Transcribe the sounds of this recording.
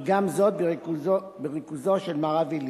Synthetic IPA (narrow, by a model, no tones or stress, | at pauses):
ɡamzot̪̚beʁkuzo | beʁikuzoʃelmaʁavil